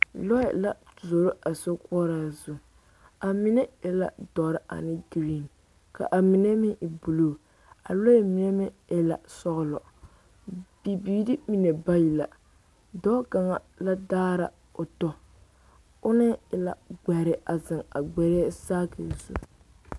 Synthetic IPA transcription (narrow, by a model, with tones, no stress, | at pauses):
lɔ˦ɛ˨la˦˨zo˨ɾo˦a˨so˦kɔ˦ɾaː˨zu˦ | a˨mi˦nɛ˦ɛ˦la̰˨dɔ˨ɾɪ˦ʔa̰˨nɪ˦ɡɾi˦˨n | ka̰˨ʔa˨mi˨nɛ˦mɪ˦ʔbu˨loː˦˨ | a˨lɔ˦jɛ˦˨mi˨nɛ˦mɪ˦ | ɛ˦la̰˨sɔ˦ɣlɔ̰˨ | b̥i˨biː˨dɪ˦mi˨nɛ˨ba˦ji˨la˨ | dɔ˦ka˨ŋa̰˨ | la˦daː˦ɾa̰˨ | ʊ˨tɔ˦ | ʊ˦nɨ˦ɪ˨la̰˨ɡ͡bɛ˨ɾɪ˦ʔa˨zɨ˨ŋa̰˨ɡ͡bɛ˨ɾɛ˦saː˦kɨ̰˨zṵ˦